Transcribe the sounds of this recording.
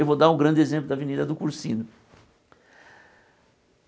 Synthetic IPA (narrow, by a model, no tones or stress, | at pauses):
ewvod̪aɾʊ̃ɡɾɐ̃nd͡ʒ̪ɪezẽmp̬lʊd̪ɐvenid̪ɐd̪ʊkuɾsĩnʊ